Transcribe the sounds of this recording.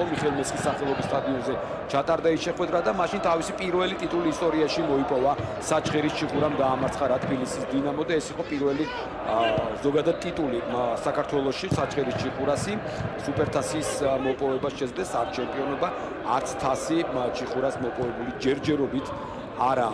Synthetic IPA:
ɔmiχɛlˠmɛt̪sʼkʼisːaχɛlˠɔbist̪ʼad̪iɔnzɛ | t͡ʃʰat̪ʼaɾd̪aisʃɛχwɛd̪ɾad̪amaʃint̪ʰavisipʼiɾvɛlit̪ʼit̪ʼuliːst̪ʼɔɾiaʃimɔipʼɔvasat͡ʃʼχɛɾist͡ʃʰiχuɾamɡ̪aːmaɾt̪sʰχaɾat̪ʰbilisisd̪inamɔd̪aɛsiqʼɔpʼiɾvɛli | zɔɡad̪ad̪̚t̪ʼit̪ʼulisakʰaɾt̪ʰwɛlˠɔʃisat͡ʃʼχɛɾist͡ʃʰiχuɾasi | supʰʼɛɾt̪ʰasiːsmɔpʼɔvɛbasʃɛzvd̪ɛsaɾt̪̚ʰt͡ʃʰɛmpʼiɔnɔba | aɾt̪sʰt̪ʰasit͡ʃʰiχuɾasmɔpʼɔvɛbulid͡ʒɛɾd͡ʒɛɾɔbit̪ʰ | aɾa

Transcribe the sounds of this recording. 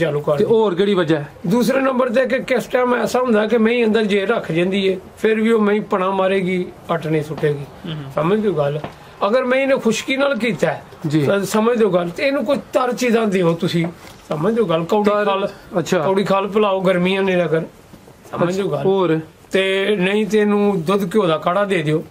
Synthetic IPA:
d͡ʒaːluːkəɾeoːɾkeːɽiːʋəd͡ʒaːɛd̪uːsɾeːnə̃mbəɾt̪eːk̬ekɪsʈɛːmɛːsaːɦʊ̃nd̪aːkɪmɛ̃ːĩːə̃nd̪əɾd͡ʒeːɾəkʰd͡ʒãːnd̪iːeːpʰɪɾʋiːoːmɛ̃ːĩːpəɽ̃ãːmaːɾeːɡiːəʈnẽːsʊʈʰːeːɡiːsəmə̃d̪oːɡəl | əɡəɾmɛ̃ːɪnẽːkʰʊʃkiːnaːlk̬iːt̪ɛ | d͡ʒiãsəməd͡ʒd̪oːɡəlt̪eɪnũːk̬ʊt͡ʃʰt̪əɾt͡ʃiːzãːd̪eːoːt̪ʊsĩːsəməd͡ʒd̪oːɡəlkəɽiːaːlət͡ʃʰːəːɽiːkʰaːlpəlaːoːɡəɾmĩːãːnẽːəɡəɾ | səməd͡ʒd̪oːɡəl | t̪eːnəĩːt̪̬enũːd̪ʊd̪koːd̪aːkaɽaːd̪eːd̪ejoː

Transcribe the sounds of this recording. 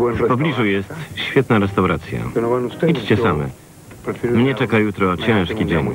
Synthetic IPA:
fpɔblʲiʐujɛst̪ɕfʲjɛt̪naɾɛst̪awɾat̪sʲja̰it͡ʂt͡ɕɛsamɛ̰ | mɲɛt͡ʂɛkajut̪ɾɔt͡ɕɛ̃ʂkʲid͡ʑɛɲ

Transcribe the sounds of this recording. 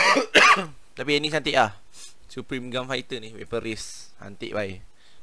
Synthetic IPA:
t̪apiɛnisant̪iʔlah | supɾimɡanfait̪əniwepəɾis | ha̰nt̪ḭʔbaj

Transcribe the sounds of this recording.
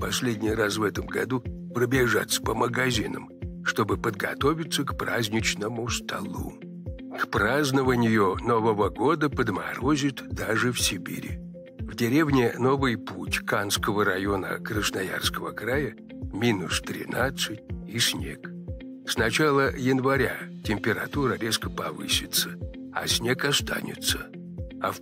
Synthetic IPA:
pɐsʲlʲedʲnʲɪjrasvɛt̪əmɡɐ̰d̪u | pɾəbʲɪʐa̰t̪sə̥pəməɡɐzʲinə̰mʂt̪o̞bɨpəd̪ɡɐ̰t̪o̞vʲɪt̪səkpɾazʲnʲɪt͡ɕnəmʊst̪ʰɐ̰lˠṵ | kpɾaznəvənʲɪjʊno̞vəvəɡo̞d̪əpəd̪mɐɾozʲɪt̪d̪aʐɨfsʲɪbʲḭɾʲɪ̰ | vdʲɪɾʲevnʲɪno̞vɨjputʲkanskəvəɾɐjo̞nə̰kɾəsnaja̰rskəvəkɾajə | mʲinʊst̪ɾʲɪ̰nat̪sɨtʲisʲnʲe̞̰k | snɐt͡ɕalˠəjɪnvɐɾʲa̰tʲɪmʲpʲɪɾɐt̪uɾəɾʲe̞skəpɐvɨ̰sʲɪt̪səɐ̰sʲnʲe̞kɐst̪a̰nʲɪ̰t̪sə | a̰f

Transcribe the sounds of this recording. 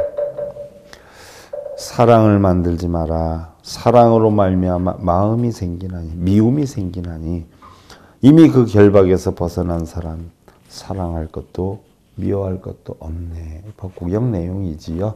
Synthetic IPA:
sʰaɾaŋɯɭmandɯɭd͡ʑimaɾasʰaɾaŋɯɾomaɭmjamaɯmisʰeŋɡinɦaɲimiumisʰe̞ŋɡinɦaɲi | imikɯkjʌɭbaɡe̞sʰʌpʌsʰʌnɦansʰaɾam | sʰaɾaŋɦaɭk͈ʌt̚t͈o | miʌɦaɭk͈ʌt̚t͈oʔʌmnepʌk͈uɡjʌŋne̞joŋid͡ʑijo

